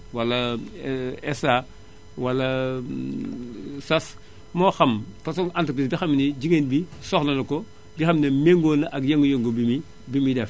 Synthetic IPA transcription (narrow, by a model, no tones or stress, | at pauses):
walɐ | esa | walɐ | sas | moːxɐmfasoŋantukp̬isbixamnid͡ʒiŋenbi | soxnɐnɐko | bixamnɐmeŋɡonaʔaɡjeŋɡojoŋɡobimi | bimidɛf